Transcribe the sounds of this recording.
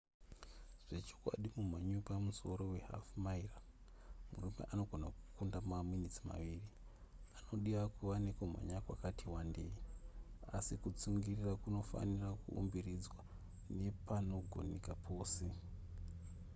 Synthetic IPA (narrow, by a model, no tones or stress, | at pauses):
ʐ̥e̞t͡ʃo̥kwa̰ɗimum̤aɲupamuso̞ɾo̞we̞ɦa̰fmaira | mṵrume̞̰ʔano̞ɡʱo̞naku̥kundamaminit͡sima̰ʋiːri | ano̞ɗiʋakuʋanekom̤a̰ɲakwakatiwande̞̰jiasikut͡suŋɡirirakuno̞fa̰nirakuṵmbirid͡zwa | ne̞pano̞ɡʱo̞̰nekapʰo̞ːse̞